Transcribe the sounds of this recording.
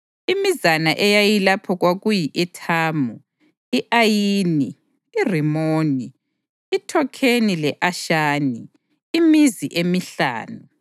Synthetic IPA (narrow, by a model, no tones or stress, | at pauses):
imizanaʔɛjajilapʰɔɣwaɣujiʔɛtʰaːmu | iʔajiːni | irimoːni | itʰɔkʰenilɛʔaʃaːniː | miziʔemiɬa̰ːnu